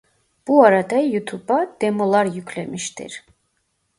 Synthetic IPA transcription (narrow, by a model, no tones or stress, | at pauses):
b̥uaɾad̪ɛjut̪ʰubad̪ɛmɔlaɾjukʰlɛmiʃt̪ɛ̰ɾ